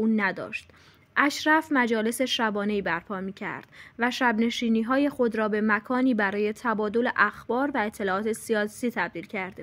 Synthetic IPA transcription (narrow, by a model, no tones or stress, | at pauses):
uːnæd̪ɒ̰ːʃt̪ | ʔæʃɾæfmæd͡ʒɒːle̞se̞ʃæbɒːne̞iːbæɾpʰɒːmiːcʰæ̰ɾd̪̥væʃæbne̞ʃiːniːɦɒːje̞xo̞d̪ɾɒːbe̞mækʰɒːniːbæɾɒːje̞t̪ʰæbɒːd̪o̞le̞ʔæxb̥ɒːɾvæe̞t̪ʰːe̞lɒːɒːt̪ʰe̞siɒːsiːt̪ʰæb̚d̪iːlcʰæɾd̪e